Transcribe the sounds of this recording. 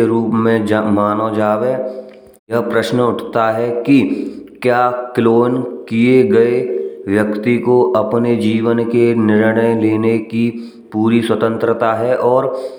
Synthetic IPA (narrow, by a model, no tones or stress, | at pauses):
eɾuːpmẽmaːnod͡ʒaːʋe | jɐɦpɾəʃnʊʈʰt̪aɦɛkikjaːkɪloːnkieɡɐeʋjɐkt̪ikoʔɐpned͡ʒiːʋənkenɪɾɽəjleːneki | puːɾiswət̪ə̃nt̪ɾət̪aɦɛʔɔːɾ